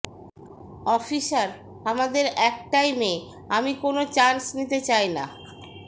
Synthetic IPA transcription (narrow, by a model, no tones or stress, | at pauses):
ɔfiʃaɾ | amad̪eɾɛk̚ʈajme | amikonot͡ɕansnit̪et͡ɕajna̰